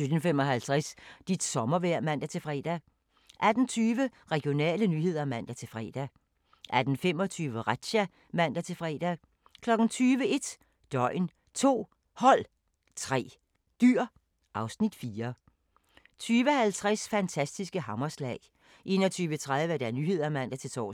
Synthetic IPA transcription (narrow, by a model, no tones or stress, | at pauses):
sød̥n̩femɒ̽ɦælt͡sʰʁasd̥id̥sɒ̽mɐʋæɐ̰mæn̰d̥æt͡sʰe̝fʁɛ̰ːd̥æ | ʔæd̥n̩t͡sʰyːʋə | ʁɛɡ̥jo̝nɛ̰ːlənyːɦe̝ð̞̰ˠɐmæn̰d̥æt͡sʰe̝lfʁɛ̰ːd̥æ | ʔæd̥n̩fem̰ɒ̽t͡sʰyːʋəʁad̥ɕæ | mæn̰d̥æt͡sʰe̝fʁɛ̰ːd̥æ | kʰlɒ̽ɡ̥n̩t͡sʰyːʋəe̝d̥ | d̥ɒ̽ɪn | t͡sʰo̝̰ː | hɒ̽l̰ | t͡sʰʁɛ̰ː | d̥yɐ̰ | ʔɑ̈ʊsnid̥fiːɐ | t͡sʰyːʋəhælt͡sʰʁasfænt͡sʰæsd̥isɡ̥əɦɑ̈mɐslɛːɪ | ʔe̝̰ːnɒ̽t͡sʰyːʋət͡sʰʁað̞ˠʋəd̥æɐnyːɦe̝ð̞̰ˠɐmæn̰d̥æt͡sʰe̝t͡sʰɒ̰ː